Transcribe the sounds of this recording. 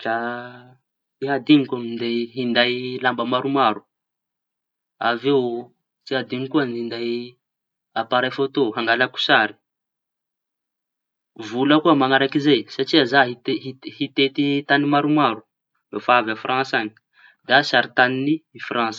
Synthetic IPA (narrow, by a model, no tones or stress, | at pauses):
ʈ͡ʂa | iɦad̪iŋikamind̪ejɦind̪ajlambəmaɾumaɾu̥ | avew | t͡siɦad̪iŋikuanind̪aj | apaɾajfot̪oɦaŋɡalaku̥saɾi̥ | vuləkuəmaŋaɾakizejsaʈ͡ʂiazaɦit̪eɦihit̪et̪it̪animaɾumaɾu̥ | vefaavafrãnsaɲi̥ | d̪asaɾit̪aniniifrãnsə̥